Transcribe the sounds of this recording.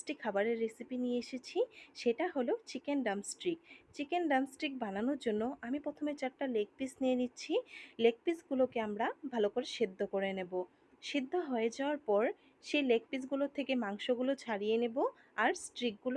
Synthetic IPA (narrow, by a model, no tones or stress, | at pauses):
sʈikʰabaɾeɾːesipinijeeʃet͡ɕʰiʃeʈaɦolot͡ɕikenɖamsʈɾikt͡ɕikenɖamsʈɾik̚bananoɾd͡ʑonːoʔamipɾot̪ʰomet͡ɕaɾʈalek̚pisnijenitːɕʰilek̚pisɡulokeamɾabʱalokoɾeʃed̪ʱːokoɾenebo | ʃid̪ʱːoɦɔed͡ʑaoaɾpɔɾ | ʃejlek̚pis̬ɡulot̪ʰekemaŋʃoɡulot͡ɕʰaɽijenebo | aɾsʈɾik̚ɡulo